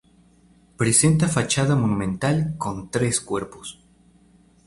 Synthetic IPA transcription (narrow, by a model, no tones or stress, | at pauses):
pɾese̞nt̪̬afat͡ʃaðamonũmẽnt̪alko̞nt̪ɾe̞skwe̞ɾpos